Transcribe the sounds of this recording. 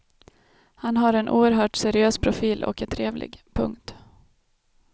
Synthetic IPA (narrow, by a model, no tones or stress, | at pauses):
hanɦaɾɛnʔṵːəɾɦœːʈsɛɾɪøːspʰɾʊfiːlʔɔ̰kɛt̪ʰɾeːvlʔɪ̰ɡpʰɵ̰ŋkt̪